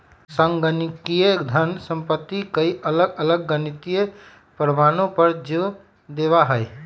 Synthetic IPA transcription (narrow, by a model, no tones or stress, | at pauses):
sə̃ŋɡənikijed̪ʱənsə̃mpət̪ːikəiʔələɡələɡːənɪt̪ije | pɾəmaːnõpəɾd͡ʒe | d̪eːʋaɦəj